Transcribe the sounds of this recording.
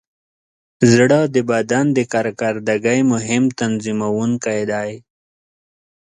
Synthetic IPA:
zɽad̪əbad̪and̪əkaɾkaɾd̪aɡajmʊɦɪmt̪anzimawunkajd̪aj

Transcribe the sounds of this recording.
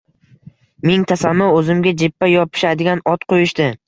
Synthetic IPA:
meŋt̪ʰasanːɒɵzɪmɡʲad͡ʒɪpːajɒpʰɪ̥ʃad̪ɪɡʲanɒt̪qʰojɪʃd̪ɪ

